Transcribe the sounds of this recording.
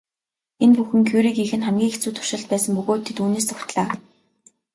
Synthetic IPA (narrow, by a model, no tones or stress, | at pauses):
enpuxɘ̆ŋkʰuɾiːkixɘ̆nχæmɡʲiːŋekt͡suːt̪ʰʊ̥r̥ʃɪ̆ɬt̪̚pæːsə̆mpɵɣoːt̪ʰːet̪uːneːs̬ʰʊxʲt̪ɮaː